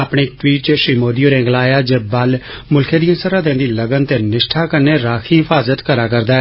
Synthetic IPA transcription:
aːpɽeːk̚ʈwiːʈt͡ʃəʃɾiːmoːd̪ioːɾẽːŋɡlaːjaːd͡ʒebal | mʊlkʰeːd̪iːə̃nsəɾãːd̪ẽːnd̪iːləɡənt̪eːnɪʃʈʰaːkəɾneːɾaːkʰiːɦɪfʰaːzət̪kəɾaːkəɾd̪aːɛː

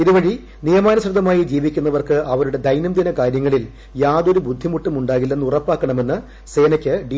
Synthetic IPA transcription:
iðuʋɐɻi | nijɐmaːnɐɕrɐd̪ʱːɐmaːjid͡ʑiːʋikʲːunːɐʋɐrkɨʔɐʋɐɾuɽe̞d̪ɐjnɐmd̪inɐkaːɾjɐŋːɐɭil | jaːd̪o̞ɾubud̪ʱːimuʈːɐmuɳɖaːɣilːe̞nːurɐpːaːkːɐɳɐme̞nːɨ | se̞ːnɐkʲːɨɖi

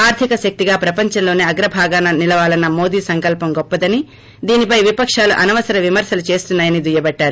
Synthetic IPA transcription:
aːɾt̪ʰikɐʃɐk̚t̪iɡaːpɾɐpɐɲt͡ʃɐmlo̞ːneːɐɡɾɐbʱaːɡaːnɐnilɐʋaːlɐnːɐmo̞ːd̪iːsɐŋkɐlpɐmɡɔpːɐd̪ɐni | d̪iːnipɐjʋipɐkʂaːluʔɐnɐʋɐsɐɾɐʋimɐɾsɐlut͡ʃe̞ːst̪unːaːjɐnid̪ujɐbɐɖːaːɾu

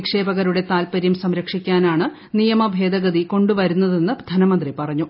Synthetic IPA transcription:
kʂe̞ːbɐɣɐɾuɽe̞t̪aːlpɐɾjɐmsɐmɾɐkʂikʲːaːnaːɳɨ | nijɐmɐbʱe̞ːd̪ɐɣɐd̪iko̞ɳɖuʋɐɾunːɐðe̞nːɨd̪ʱɐnɐmɐnd̪ripɐrɐɲːu

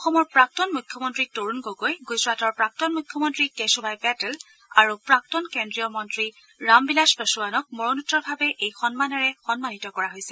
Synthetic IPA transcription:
ɔxɔmɔɹpɹak̚tɔnmujkʰːjɔmɔntɹitoɹunɡoɡojɡusɹatɔɹpɹak̚tɔnmukʰːjɔmɔntɹikesubʱajbɛtɛl | aɹupɹak̚tɔnkendɹijɔmɔntɹi | ɹambilaspɔsuwanɔk̚mɔɹɔnutːɔɹbʱabɛʔejxɔnmanɔɹɛxɔnmanitɔkɔɹaɦojsɛ

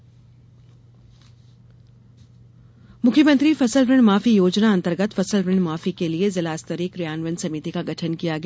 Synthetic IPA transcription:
mʊkʰjəmə̃nt̪ɾifɐsəlɾɪɳmaːfijoːd͡ʒnaɐ̃nt̪əɾɡət̪fɐsəlɾɪɳmaːfikeliezɐlaːst̪əɾiːkɾijaːnʋənsɐmiːt̪ikaɡɐʈʰənkijaɡɐa

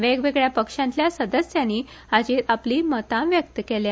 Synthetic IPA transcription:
ʋeɡʋeɡɭjapəkʂãnt̪ljasəd̪əsjanːiː | ad͡ʑiapliːmət̪ãʋjək̚t̪əkelja

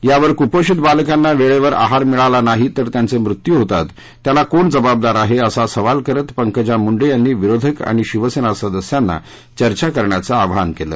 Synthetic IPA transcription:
jaʋəɾkupəɕit̪balkanːaʋeɭeʋəɾa̰ɦaɾmiɭalanaɦit̪əɾt̪jant͡semɾut̪juɦot̪a̰t̪ː | jalakoɳd͡zəbab̚d̪aɾaɦeəsasəʋalkəɾət̪pəŋkəd͡ʑamuɳɖejanːiːʋiɾod̪ʱəka̰ɽ̃iɕiʋəsenasəd̪əsjanːa̰ | t͡ɕəɾt͡ɕakəɾɳjat͡səaʋɦankelə̰ː

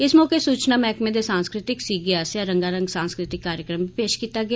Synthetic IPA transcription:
ɪsmɔːkeːsuːt͡ʃnaːmɛːkmẽːd̪eːsãːnskɾɪt̪ɪksiːɡjaːsjaːɾəŋɡaːɾəŋɡsãːnskɾɪt̪ɪkːaːɾjəkɾəmbʱipeːʃkiːt̪aːɡɪa

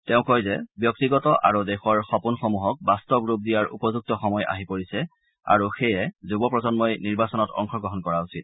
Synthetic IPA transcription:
tɛʊ̃kɔjzɛbjɔktiɡɔtɔʔa̰ɹudɛxɔɹxɔpunxɔmuɦɔk̚bastɔbɹup̚dijaɹṵpɔzuk̚tɔxɔmɔja̰ɦipoɹisɛ | a̰ɹuxɛjɛzubɔpɹɔzɔnmɔjniɹbasɔnɔtɔ̰ŋkʰɔɡɹɔɦɔnkɔɹausit̚

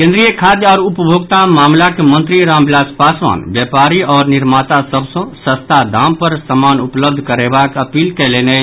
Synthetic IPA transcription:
kẽnd̪ɾijəkʰad̪jəɔːɾupəbʱoɡt̪amaːmlakemənt̪ɾiɾãːmbilaːspasʋa̰nbjɛpaɾiɔːɾniɾmat̪asəbsə̃sə̃st̪ʰad̪ʱampəɾsəmaːnupləb̚d̪ʱkəɾebakəpilkɛlene

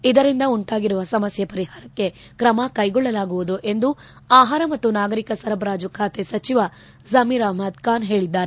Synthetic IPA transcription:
id̪ɐɾind̪ɐuɳʈaːɡiɾuʋɐsɐmɐsjɐpɐɾiɦaːɾɐkːe̞ | kɾɐmɐkɐjɡɔɭːɐlaːɡuʋud̪uʔe̞nd̪u | aːɦaːɾɐmɐt̪ːunaːɡɐɾikɐsɐɾɐbɾaːd͡ʒukʰaːt̪esɐt͡ʃiʋɐ | zɐmiɾaːmɐt̪kaːnɦeːɭid̪ːaːɾe

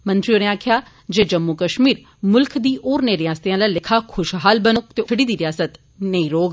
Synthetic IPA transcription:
mə̃nt̪ɾionẽaːkʰjaː | d͡ʒeːd͡ʒəmːukəʃmiːɾ | mʊlkʰd̪iːʔoːɾneɾɪjaːst̪ejãːlaːlɪkʰaːkʰʊʃɦaːlbənokt̪eːəɽiːd̪iːɾɪjaːsət̪ | neĩːɾoːɡ

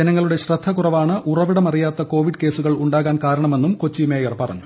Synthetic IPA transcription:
d͡ʑɐnɐŋːɐɭuɽe̞ɕrɐd̪ʱːɐkurɐʋaːɳɨʔurɐʋiɽɐmɐrijaːt̪ːɐko̞ːʋiɖke̞ːsuɣɐɭuɳɖaːɣaːnkaːɾɐɳɐme̞nːumko̞t͡ɕːimeːjɐrpɐrɐ̰ɲːu

